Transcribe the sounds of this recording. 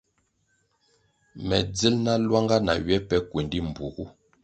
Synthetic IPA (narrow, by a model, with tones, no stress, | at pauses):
mɛ˨d͡zi˦lna˦lwa˦ŋɡa˦na̰˨ɥɛ˦pɛ˦kwe˨ndi˦m̩˨bu˨ɡu˦